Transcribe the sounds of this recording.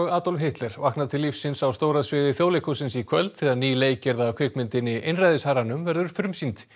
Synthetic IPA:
ɔɣaːt̪olɦɪht̪lɛɾ̥vahknaðt̪ʰɪlːifsːɪnsawst̪oːwɾaðsvɪːðɪθjoːwlejhkusɪnsikʰvœlt̪θɪðaðniːleːjcɛɾðakʰvʏkmɪnt̪ɪnːɪʔejnrajðɪshaɾanʏmvɛɾðʏɾ̥fɾʏmsint̪

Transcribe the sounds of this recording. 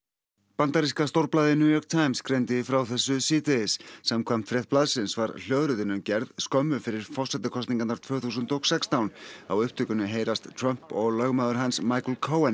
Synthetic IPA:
pant̪aɾiskast̪owɾplaːðɪnjuːjɔɾk̚t̪ʰajmskɾejnt̪ɪfɾawθɛsːʏsiːt̪ɪðɪsːamkʰvam̥t̪fɾɛθplaðsɪnsvaɾl̥œːðɾʏðɪnːʏmcɛɾðskœmːʏfɪɾɪɾ̥fɔ̥sɛt̪ɪkʰɔst̪niŋkat̪naɾ̥t̪ʰvœːθuːs̬ʏnt̪ɔɣsɛkst̪awna̰wʏhpt̪ʰʏkʏnʏɦeːjɾast̪t̪ʰɾœm̥pɔɣlœɣmaðʏɾ̥ɦansmajklkʰowɛn

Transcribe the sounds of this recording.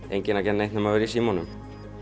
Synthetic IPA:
ejɲcɪnacɛnːejht̪nʏmavɪɾisiːmɔnʏm

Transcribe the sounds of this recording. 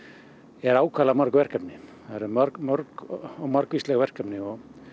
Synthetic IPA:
ɛɾaːwkʰalamœɾkvɛr̥kapnɪθaɾɛɾmœɾkmœɾkɔɣmaɾkvist̪lɛɣvɛr̥kapnɪɔɣ

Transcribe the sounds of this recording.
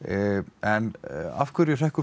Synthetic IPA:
ɛna̰fkʰʏɾjɛθɛhkʏ

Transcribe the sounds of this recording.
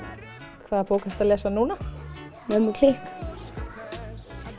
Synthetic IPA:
kʰvaːðapoːwkast̪aðlɛːsanuːna | mɛmukʰlɪhk

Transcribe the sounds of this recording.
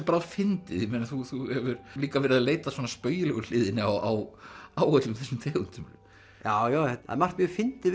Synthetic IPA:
paɾafɪnt̪ɪðjɪmeːnaθuθuhɛvʏɾliːkavɛɾɪðaðleːjt̪aswɔːnaspœːɥjɪlɛɣʏl̥ɪːðɪnɪaa̰waːwœt̪lʏmθɛsːɪmt̪ʰɛːɣʏn̥t̪ʰʏmʏlm | jaːwjaːwɛt̪a̰mar̥t̪mjœɾfɪnt̪ɪ

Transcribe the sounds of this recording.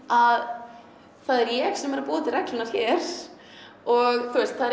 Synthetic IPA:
að | θaðɛɾjɛɣsɛmɛɾapuːt̪ɪɾrɛklɪnaɾ̥çɛɾ̥ | ɔɣθʰwɛrst̪θaðɛ

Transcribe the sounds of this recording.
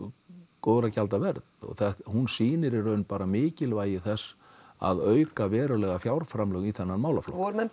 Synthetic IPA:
koːðɾacalt̪avɛɾðtɔ̰ɣθahunsiːnɪɾɪɾœɥnpaːɾamɪːcɪlvaːjɪθɛsː | a̰ðœːɥkavɛːɾʏlɛːɣafjawɾ̥fɾamlœɣiθɛnːanmaːwlaflo̰ɔɾmɛ

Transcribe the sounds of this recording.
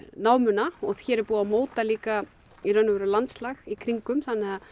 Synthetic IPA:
naːwmʏnaɔθçɛːɾɛɾpuːðamoːwt̪aliːka | iɾœnʏvɛːɾʏlant̪slaxikʰɾiŋkʏmθanːɪɣa

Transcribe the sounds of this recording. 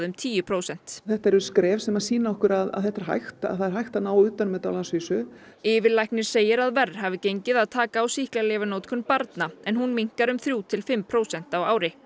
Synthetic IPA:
ðʏmt̪ʰiːjʏpʰɾowsɛn̥t̪θɛht̪aɛɾʏskɾɛːvsɛmasiːnaɔhkʏɾaða̰ðθɛht̪aɾɦa̰jxt̪a̰ðθaðɛɾ̥hajxt̪anaːwʏːt̪anmɛt̪awlansviːsʏɪːvɪɾlajhknɪɾ̥seːjɪɾaðvɛrhavɪcejɲcɪðaðt̪ʰaːkaːwsihklaleːvanowt̪kʰʏnpaɾt̪naɛnɦunmiŋ̥kaɾʏmθɾjuːt̪ʰɪlfɪmːpʰɾoːwsɛn̥t̪awaːwɾɪ

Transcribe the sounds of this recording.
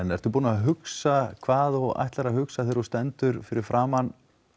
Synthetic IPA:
ɛnɛɾ̥t̪ʏɾpuːnaaɦʏksakʰvaːðɔɣa̰jht̪laɾahʏksaθeɾust̪ɛnt̪ʏɾfɪɾɪɾfɾaːman

